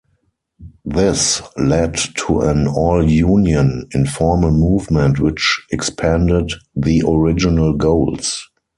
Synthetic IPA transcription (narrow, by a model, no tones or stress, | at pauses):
ðɪslɛdtʰuə̃nɔljũːnjə̃nɪ̃nfɔɹməlmuːvmɛ̃ntwɪt͡ʃɛkspʰæ̃ndɪdðiʔɔɹɪd͡ʒɪnəlɡoʊls